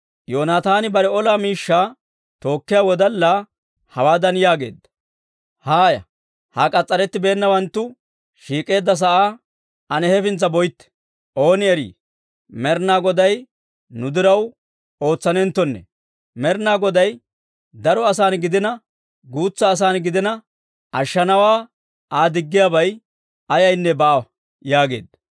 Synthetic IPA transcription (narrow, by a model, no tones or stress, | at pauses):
jo̞ːnaːt̪aːnɪbɐɾɛɔlaːmiːʃːaː | t̪o̞ːkːɪjaːwɔd̪ɐlːa | hɐwaːd̪ɐnjaːɡe̞ːd̪ːɐ̥ | haːjɐ̰ | hɐkʼɐt͡sʼːɐɾɛt̪ːɪbe̞ːnːɐwɐnt̪ːʊ | ʃiːkʼe̞ːd̪ːɐs̬ɐʔaː | ɐnɛhɛfɪnt͡sːɐbɔjt̪ːɛ̥ | ʔo̞ːnɪɛɾḭː | mɛɾnaːɡɔd̪ɐj | nʊd̪ɪɾɐw | o̞ːt͡sːɐnɛnt̪ːɔnːɛ̰ | mɛɾnaːɡɔd̪ɐj | d̪ɐɾɔɐs̬aːnɡɪd̪ɪnɐ | ɡuːt͡sːɐːs̬aːnɡɪd̪ɪnɐ | ɐʃːɐnɐwaː | ʔaːd̪ɪɡːɪjaːbɐj | ɐjɐjnːɛbaː | jaːɡe̞̰ːd̪ɐ